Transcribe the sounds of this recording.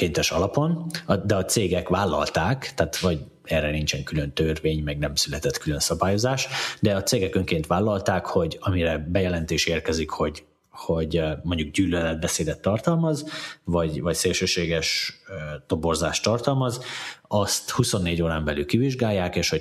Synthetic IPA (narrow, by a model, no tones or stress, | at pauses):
keːnt̪ɛʃɒlɒpo̞nɒd̪ɛɒt̪seːɡɛkʋaːlːɒ̰lt̪aːkt̪aːt̪vɒɟ | ɛrɛnint͡ʃɛŋkylønt̪ørveːɲmɛɡnɛmsylɛt̪ɛt̪kylønsɒbaːjo̞zaːʃd̪ɛɒt̪seːɡɛkøŋkeːnt̪ʋaːlːɒlt̪aːkho̞ɟɒmiɾɛbɛjɛlɛnt̪eːʃɛeːrkɛzikho̞ɟ | ho̞ɟmo̞ɲɟuɡ̚ɟyːlølɛd̪̚bɛseːd̪ɛt̪ːɒrt̪ɒlmɒzvɒɟvɒcseːlʃøːʃeːɡɛʃ | t̪o̞borza̰ːʃt̪ːɒrt̪ɒlmɒzɒst̪huso̞nːeːɟoːɾaːmbɛly̰lkiviʒɡaːjːaːkeːʃho̞